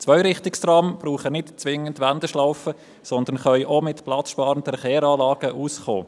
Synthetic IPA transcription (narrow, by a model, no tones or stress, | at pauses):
t͡sʋœʏɾɪχtɪkstɾɑmb̥ɾuːχənɪtt͡sʋɪŋəntʋændəʃlaʊfə | sɔnd̪ənχœʏʔomɪtplɑt͡sʃpɑːɾəntəfχeːɾɑːlɑːɡ̥əʔuːsχo̰ː